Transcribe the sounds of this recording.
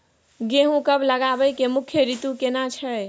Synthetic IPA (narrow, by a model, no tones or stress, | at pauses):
ɡeɦũkəbləɡabəjkemukʰːjəɾit̪ukenat͡ʃʰəj